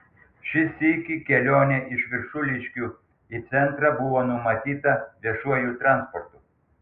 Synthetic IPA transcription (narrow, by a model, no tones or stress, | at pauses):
ʃʲɪsʲɪkʲikʲɛlʲoːnʲɛʔɪʃʋʲɪɾʃʊlʲɪʃʲkʲuː | it̪sʲɛnt̪ɾɐbʊʋoːnʊmɐt̪ʲiːt̪ɐʋʲiɛʃuɔjuːt̪ɾɑˑnspɔɾt̪uː